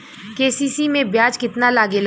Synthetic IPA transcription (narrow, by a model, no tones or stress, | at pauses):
keːsiːsimẽbjaːd͡ʒkɪt̪nalaːɡel